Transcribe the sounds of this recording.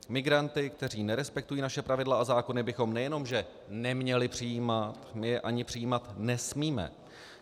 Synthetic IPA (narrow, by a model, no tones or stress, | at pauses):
mɪɡɾant̪ɪkt̪ɛr̝iːnɛɾɛspɛkt̪ujiːnaʃɛpɾavɪdlaʔazaːko̞nɪbɪxo̞mnɛjɛno̞mʒɛ | nɛmɲɛlɪpr̝̥ɪjiːmat̪mɪjɛʔaɲɪpr̝̥ɪjiːmat̪nɛsmiːmɛ̰